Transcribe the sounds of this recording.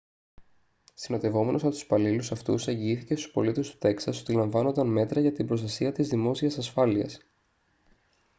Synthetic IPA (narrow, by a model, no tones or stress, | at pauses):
sino̞t̪e̞vo̞me̞nost̪u̥spɐlilusɐft̪ṵse̞ɲɟiiθice̞st̪u̥spo̞̰lit̪est̪u̥t̪e̞ksɐso̞t̪ilɐɱvɐno̞nd̪ɐnme̞t̪ɾɐʝɐt̪ibɾost̪ɐsiɐt̪izðimo̞siɐsɐsfɐliɐ̰s